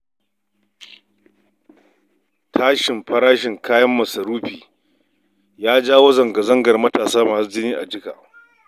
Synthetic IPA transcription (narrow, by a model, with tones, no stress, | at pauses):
tʰaː˦ʃɪ˨mɸɐ˦ɾaː˦ʃɪ˨ŋkaː˦jɐ˦mːɐ˨sɐ˨ɾuː˦ɸiː˨ | jaː˦d͡ʒaː˦woː˦zɐ˨ŋɡɐ˨zɐ˦ŋɡɐ˨rmɐ˦taː˨saː˦maː˨su˦d͡ʒɪ˦niː˦ʔa̰˨d͡ʒɪ˦ka̰ː˨